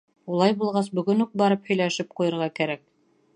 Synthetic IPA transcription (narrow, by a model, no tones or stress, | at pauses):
ulˠɑjbulˠʁɑs̬bɵ̆ɡɵnuk̚bɑɾɤphɵ̆jlæʃɘp̚qujɤ̆ɾʁɑkæɾæk̚